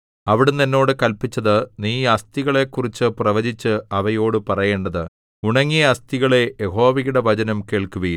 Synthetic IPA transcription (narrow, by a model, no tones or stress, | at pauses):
ɐʋiɽenenːo̞ːɽɨkɐlpit͡ɕːɐðɨniːɐst̪iɣɐɭe̞kːurit͡ɕːɨprɐʋɐd͡ʑit͡ɕːɨɐʋɐjo̞ːɽɨpɐrɐje̞ːɳɖɐðɨ | uɳɐŋːijɐɐst̪iɣɐɭe̞jeho̞ːʋiɣuɽeʋɐd͡ʑɐnɐmke̞ːɭkuɣɐjum